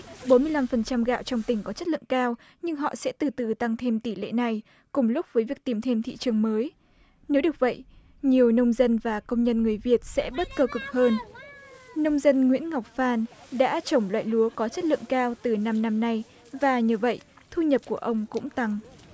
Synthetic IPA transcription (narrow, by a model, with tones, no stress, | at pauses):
ɓo˨˦nmɨ˧əjla˧mfə˨˩nt͡ɕa˧mɣa̰ː˧˨wt͡ɕɔ˧wŋ͡mt̪ï˨˩ŋ̟kɔ˨˦t͡ɕə˦˥t̚lɨ̰˧˨əŋkaː˧w | ɲɨ˧ŋɦɔ̰˧˨sɛ̰˧˥t̪ɨ˨˩t̪ɨ˨˩t̪a˧ŋt̪ʰe˧mt̪i˧˩lḛ˧˨na˨˩j | kʊ˧˩ŋ͡mlʊ˦˥k͡p̚vəː˨˦jvi˨˩ək̚t̪i˨˧˩mt̪ʰe˧mt̪ʰḭ˧˨t͡ɕɨ˨˩əŋməː˨˦j | ne˨˦wɗɨ˨˩ək̚və̰˧˨jʔ | ɲi˨˩əwnə˧wŋ͡mzə˧nvaː˨˩kə˧wŋ͡mɲə˧nŋɨ˨˩əjvi˨˩ət̚sɛ̰˧˥ɓə˦˥t̚kəː˧kʊ˨˩k͡p̚həː˧n | nə˧wŋ͡mzə˧nŋwḭ˧˥ənŋa˨˩wk͡p̚faː˧nɗa̰ː˧˥t͡ɕə˧˩wŋ͡mlwa̰ː˧˨jlu˨˦əkɔ˨˦t͡ɕə˦˥t̚lɨ̰˧˨əŋkaː˧wt̪ɨ˨˩na˧mna˧mna˧j | vaː˨˩ɲɨ˧və̰˧˨j | t̪ʰu˧ɲə˨˩p̚ku˧˩əʔə˧wŋ͡mkʊ̰˧˥ŋ͡mt̪a˧ŋ